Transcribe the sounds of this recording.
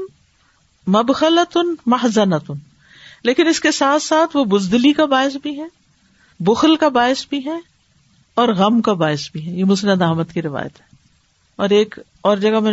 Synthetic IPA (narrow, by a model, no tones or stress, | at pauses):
mɐbxələt̪ʊnmɐɦzənət̪ʊn | leːkɪnɪskesaːt̪ʰsaːt̪ʰʋobʊzd̪likabaːɪs̬bʱiɦɛ | bʊxəlkabaːɪsbʱiɦɛ | ɔːɾɣɐmkabaːɪsbʱiɦɛ̃jemʊsənad̪aːmət̪kiɾɪʋa̰ːjə̰t̪ɦɛ̃ː | ɔːɾeːk | ɔːɾd͡ʒɐɡamɛ̃ː